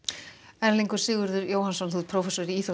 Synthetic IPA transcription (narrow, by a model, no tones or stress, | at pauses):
ɛɾliŋkʏɾ̥sɪːɣʏɾðʏɾjoːwhansɔnθuːðpʰɾowfɛsɔɾɪiːθo